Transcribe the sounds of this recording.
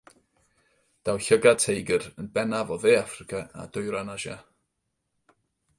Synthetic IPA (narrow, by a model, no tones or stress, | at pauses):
d̥awɬəɡatʰejɡərənbɛnavɔðeːafrɪkʰaa̰d̥ʊɨɾanaʒa̰